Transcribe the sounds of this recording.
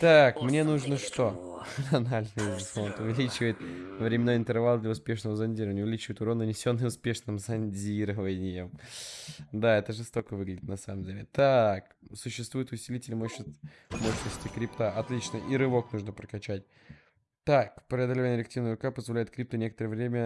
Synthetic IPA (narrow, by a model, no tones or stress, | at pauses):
t̪akmnʲe̞nuʐnəʂt̪onɐnalʲnɨjfont̪ʊvʲɪlʲit͡ɕɪvəjɪt̪̚əvɾʲɪmʲɪnajɪnt̪ɨrvalˠəd̪lʲɐʊspʲe̞ʂnəvəzɐnʲdʲiɾəvənʲəʊvʲɪlʲit͡ɕɪvəɪt̪ʊɾonːənʲɪsʲo̞nːɨjmʊspʲe̞ʂnɨmzɐnʲdʲiɾəvənʲɪjɪm | d̪aɛt̪əʐɨst̪o̞kəvɨɡlʲɪdʲɪt̪nɐsa̰məmdʲelʲɪt̪ak | sʊɕːɪst̪vujɪt̪ʊsʲɪlʲitʲɪlʲmoɕ | moɕnəsʲtʲɪkɾʲɪpt̪aɐt̪lʲit͡ɕnəʔiɾɨvo̞knuʐnəpɾəkɐt͡ɕætʲ | t̪akpɾʲɪɐd̪əlʲɪvanʲɪɾʲɪktʲivnəvɾʊkapəzvɐlʲæjɪt̪̚kɾʲip̚t̪ʊnʲe̞kət̪əɾəvɾʲemʲə